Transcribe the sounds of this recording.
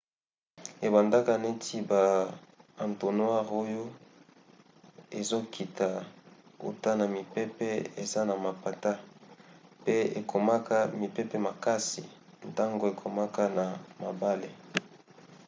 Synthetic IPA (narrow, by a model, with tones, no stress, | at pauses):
e˨ba˨nda˦ka˦ne˦tʰi˦ba˨ | a˨nto˨nwa˦ʁo˦jo˦ | e˨zo˦kʰi˨ta˨o̰˨ta˦na˨mi˨pe˦pɛ˦e˨za˦na˨ma˨pa˨ta˦ | pe˦e˨kʰo˨ma˦ka˦mi˨pɛ˦pɛ˦ma˨ka˦si˨ | n˨ta˦ŋɡo˨e˨kʰo˨ma˦ka˦na˨ma˨ba˦le˨